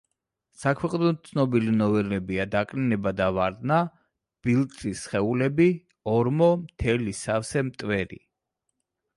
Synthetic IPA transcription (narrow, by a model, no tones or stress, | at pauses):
sakʰwɛqʼnɔt̪̚t̪sʰnɔbilinɔvɛɾnɛbiad̪akʼninɛbad̪avaɾd̪na | b̥ilˠt̪ʼisχɛulɛbi | ɔɾmɔmt̪ʰɛlisafsɛmt̪ʼvɛɾḭ